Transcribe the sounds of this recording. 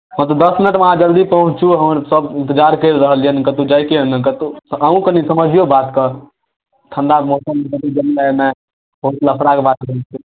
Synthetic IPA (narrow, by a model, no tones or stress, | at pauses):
ɦə̃t̪əd̪əsminəʈmeɦãd͡ʒəɾd̪ipəɦũt͡ʃt͡ʃʰuɦəməɾsəbɪnt̪əd͡ʒaɾkeɾəɦəliənkət̪ud͡ʒajkeənkət̪uəũkənisəməd͡ʒʱijobat̪kə | t̪ʰənd̪amosəmːekət̪ud͡ʒənaena | ot̪ləpʰɽakebat̪̚kəɾt͡ʃʰe